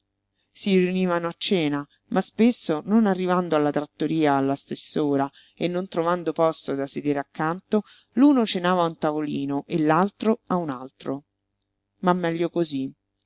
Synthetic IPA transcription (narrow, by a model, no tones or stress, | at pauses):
siriuniːvanoat͡ʃːɛːna | mʔaspesːononarːivand̪oalːat̪ɾat̪ːoɾiːaːlːast̪esːoːɾa | enːont̪ɾovand̪opɔst̪od̪ased̪eɾakːant̪o | luːnot͡ʃenaːvaunt̪avoliːnoʔelːalt̪ɾoaunalt̪ɾo | mamːɛʎːokozi